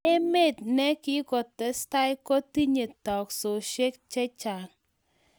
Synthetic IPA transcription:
e˦me˦˨t̚nɛ˦kɪ˦kɔ˨tɛ˨sta˦jkɔ˦ti˦ɲe˨tɔ˨kso˨ʃe˦k̚t͡ʃɛ˦t͡ʃa˨ŋ

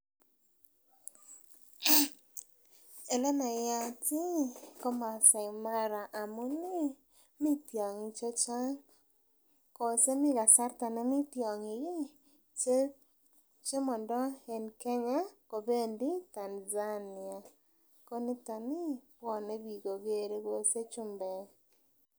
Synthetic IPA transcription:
ɛ˨lɛ˦na˨ja˦tɪ˦kɔ˦ma˨sa˨ɪ˨ma˦ɾa˨ʔa˨mʊ˦ni˦ | mi˦tjɔ˨ŋi˨t͡ʃɔ˦t͡ʃa˦ | kɔ˨se˦mɪ˦ɡa˨sa˦rt̪a˨na˦mi˦tjɔ˨ŋɪ˨ɡɪ˦ | t͡ʃe˦mɔ˨ndɔ˦e˨nkɛ˦ɲa˦ko˨be˦ndi˦ta˨nza˦nɪ˨a˨ | ko˦nɪ˦ta˨nɪ˦pwɔ˨ne˦bi˨ɡo˨ɡe˨ɾe˦ɡo˨se˦t͡ʃu˦mbɛ˨

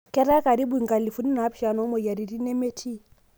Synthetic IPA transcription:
kɛ˦ɾa˦ka˨ɾi˦ɓu˨i˨ŋɡa˨li˨fu˦ni˦na˨˦pi̥˦ʃa˨nɔ˨˦mɔ˨ja˨ɾi˨ɾi˦nɛ˦mɛ˦tʰi˦

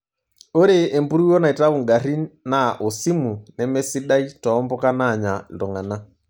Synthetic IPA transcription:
o˦ɾe˨ʔːmbu˦ɾu˦wɔ˦na˨i˨ta˦u˨ŋɡa˨ɾi˦na˨ʔo˨si˦mu˨nɛ˨mɛ˦si˦ɗa˦i˦tɔ˨ɔ˦mbɔ˦ka˦na˦˨ɲa˨ndɔ˨ŋa˨na˦

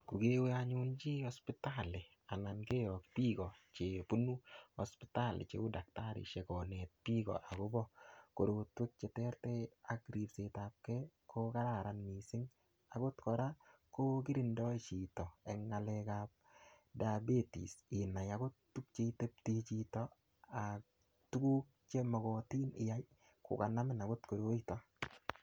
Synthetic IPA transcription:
ku˨ɡe˦we˦aɲʊnt͡ʃi˦ɔ˦spɪ˦tale˨ | a˨na˨nke˦ɾɔ˨kpi˦ɡɔ˨t͡ʃe˨pu˦nu˦ɔ˨spɪta˦lɪ̰˨t͡ʃḛ˨u˦dak̚ta˦ɾɪ̰˨t͡ʃe˨kɔ˨ne˨t̚pi˦ɡɔ̰ʔa˨ɡo˦bɔ˦ko˨ɾo˨twe˦k̚t͡ʃe˨tɛ˦ɾtɛ˦a˦ɡɾi˨pse˨tap̚kɛ˦kʰo˦ka˦ɾa˨ɾa˨nmi˨sɪ˦ŋ | a˨ɡo˦tkɔ˨ɾa˦ | ko˦ki˦ɾi˨ndɔ˦t͡ʃi˨tɔ˨ɛ˨ŋːa˨lekap̚ | da˨be˦tḭ˨sɪ˨nːa˨ja˨ɡo˦ttːu˦k̚t͡ʃe˦i˦te˦p̚ti˦t͡ʃi˨tɔ˦ | a˨k̚ | tu˦ɡu˦k | t͡ʃe˦mɔ˨ɡɔ˨ti˦nɪ˨ja˦j | kʊ̰˨ka˨na˦mɪ˦na˨ɡo˦tko˨ɾo˦i˦tɔ˦

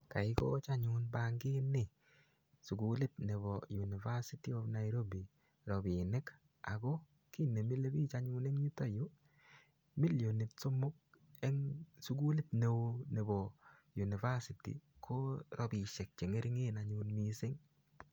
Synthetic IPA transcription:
ka˨ɪ˦kɔ̰˦t͡ʃa˦ɲʊnbaŋɡɪ˦nɪ˦˨ | su˨ɡulɪ˦tne˨bɔju˨ni˨va˦si˦ti˦ɔ˦fna˨iɾo˦bi˨ | ɾɔ˨bi˨nɪ˦k | a̰˨ɡɔ˦ | ki˦ne˨mi˦le˦biː˦t͡ʃaɲuː˦nɛ˦ŋɲu˦to˦jʊ˦ | mi˦ljo˨ni˨t̚so˦mʊ˦k̚ | ɛ˦ŋsu˦ɡu˦li˦tne˨wone˨bɔ˨ | ju˨ni˨va˦sitḭ˨kʰo˦ɾɔ˨bi˨ʃɛ˨k̚t͡ʃe˨ŋe˦ɾi˦ŋe˦na˨ɲuːnmisɪ˦ŋ

